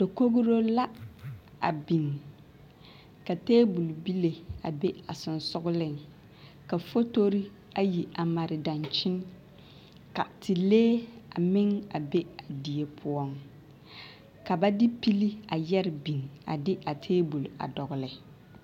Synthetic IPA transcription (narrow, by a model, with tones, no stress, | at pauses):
d̥o˨ko˦ɣʊ˦ɾo˦la˦ | a̰˨bi˨ŋ | ka˨teː˦bu˨lbi˦le˨a˨be˦a˨sɪ˨n˨sʊ˦ɡʊ˦lɪ˦˨ŋ | ka˨fo˦to˦ɾi˦ | a˦ji˨a˨ma˨ɾɪ˨da˨nt͡ʃɪ˦n | ka˨tʰi˨leː˦a˨mɪ˦ŋa˨be˦a˨di˨e˨pʰʊ˦ɔ˦ŋ | ka˨ba˦dɪ˦pi˦li˦a˨jɛ˦ɾɪ˨bi˨ŋa̰˨dɪ˦ʔa˨tʰeː˦bu˨la̰˨dɔ˨ɣʊ˨lɪ˨